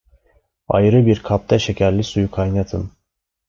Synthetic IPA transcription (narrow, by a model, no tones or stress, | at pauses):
a̰jɾɯbiɾkʰap̚t̪ʰaʃecʰæɾlʲisujukʰajnat̪ʰɯm